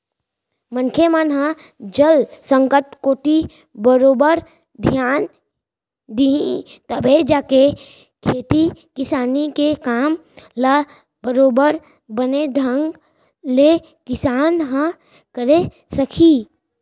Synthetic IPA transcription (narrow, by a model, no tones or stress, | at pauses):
mə̃nkʰemənɦə̃ | d͡ʒəlsə̃ŋkəʈkoːʈi | bəɾoːbəɾ | d̪ʱjaːn | d̪iĩt̪əbʱed͡ʒaːke | kʰeːt̪ikɪsaːnikekaːmla | bəɾoːbəɾ | bəned̪ʱə̃ŋɡ | le | kɪsaːnɦə̃ | kəɾe | səkʰiː